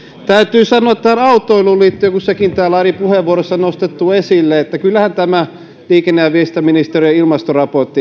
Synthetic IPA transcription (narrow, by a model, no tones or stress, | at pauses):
t̪æyt̪yːsɑnoɑt̪t̪æːlɑut̪ːˑoilulliːt̪ːøøkussekint̪æːlɑripuheʋʋuoɾosːɑnost̪et̪ːuesilːeet̪ːækylːæhænt̪æmæ | liːkenːeæʋiest̪æminist̪eriɑilmɑst̪orɑport̪ːi